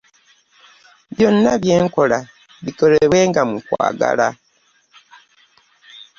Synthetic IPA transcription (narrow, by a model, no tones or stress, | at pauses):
βjo̞nːaβje̞ːŋko̞la | βiko̞leβwe̞ːŋɡamukwa̰ːɡa̰la